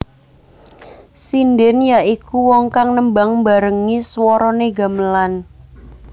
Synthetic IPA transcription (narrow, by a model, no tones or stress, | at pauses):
sindɪnjaʔikuwɔŋkaŋnəmbaŋmbaɾəŋiswɔɾɔneɡa̤məlan